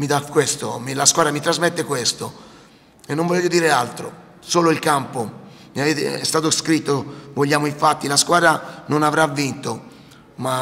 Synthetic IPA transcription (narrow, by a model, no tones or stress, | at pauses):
mid̪akwest̪omilaskwaːd̪ɾamit̪ɾazmɛt̪ːekwest̪o | enːoɱvɔleːʎːod̪iːɾealt̪ɾo̰ | soːloilkampo | miaveːt̪ḛɛ̰st̪aːt̪oskɾit̪ːovoʎːaːmoiɱfat̪ːilaskwaːd̪ɾanonavɾavːint̪o | ma